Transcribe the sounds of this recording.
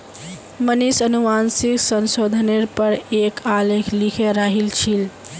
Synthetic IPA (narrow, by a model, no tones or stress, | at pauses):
mənisənuʋansiksənsod̪ʱəneɾpəɾekalekʰlikʰeɾaɦilt͡ʃʰil